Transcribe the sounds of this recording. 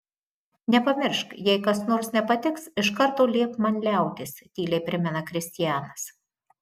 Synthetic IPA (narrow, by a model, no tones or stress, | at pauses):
nʲɛpɐmʲɪɾʃkjɛɪkɐsnoːɾsnʲɛpɐt̪ʲɪksɪʃkɐɾt̪oːlʲeːpmɐnʲlʲæˑʊt̪ʲɪst̪ʲiːlʲɛɪpʲɾʲɪmʲɛnɐkɾʲɪsʲt̪ʲɪjæːnɐs